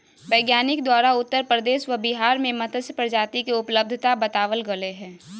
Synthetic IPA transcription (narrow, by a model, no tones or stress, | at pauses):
ʋəɪɡjaːnɪk̚d̪waːɾaʊt̪ːəɾpɾəd̪eːʃʋəbɪɦaːɾmẽmət̪ʰəspɾəd͡ʒaːt̪ikiʊpləb̚d̪ʱət̪abɐt̪aːʋəlɡəleɦɛ̃ː